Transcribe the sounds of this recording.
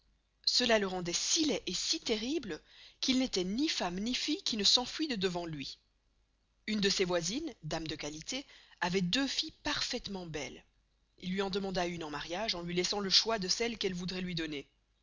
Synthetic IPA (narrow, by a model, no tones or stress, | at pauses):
səlaləʁɑ̃d̪ɛsilɛʔesit̪eʁibləkilnet̪ɛnifamnifijkʲinəsɑ̃fɥid̪əd̪əvɑ̃lɥi | ynd̪əsevwazind̪amd̪əkalit̪eavɛd̪øfipaʁfɛt̪mɑ̃bɛl | ilːɥiɑ̃d̪əmɑ̃d̪aynɑ̃maʁjaʒɑ̃lɥilɛsɑ̃ləʃwad̪əsɛlkɛlvud̪ʁɛlɥid̪ɔne